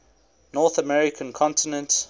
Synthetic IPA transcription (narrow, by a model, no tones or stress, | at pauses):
nɔˑθəmɛɹɪkʰə̃nkʰɔ̃ntɪnə̃nt